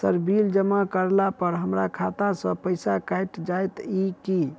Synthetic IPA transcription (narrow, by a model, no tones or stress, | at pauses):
səɾbild͡ʒəmakəɾlapəɾɦəmɾakʰat̪asə̃pəɪsakajt̪d͡ʒajt̪iki